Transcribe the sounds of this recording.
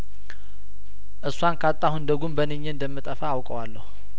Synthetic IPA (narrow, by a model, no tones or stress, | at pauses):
ʔɨsːwankʰat̪ʼːahund̪əɡumbənəɲːənd̪əmːɨt̪ʼəfaːwkʼəwalːəhu